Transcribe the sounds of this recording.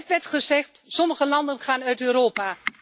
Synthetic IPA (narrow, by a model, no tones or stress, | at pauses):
tʋɛɹtχəzɛχtsɔməχəlɑndənχaːnœɥtøːɾoːpaː